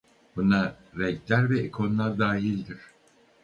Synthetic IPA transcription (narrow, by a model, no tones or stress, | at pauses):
buna | ɾɛclʲæɾvɛikʰo̞nlˠaɾd̪aːɦilʲd̪iɾ̥